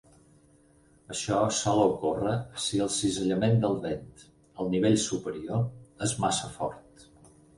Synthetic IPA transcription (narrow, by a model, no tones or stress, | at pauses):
əʃɔsɔləukorəsiəlˠsizəʎəmend̪əlˠβent̪ | əlˠniβ̞eʎsupəɾioezmasəfɔ̰ɾt̪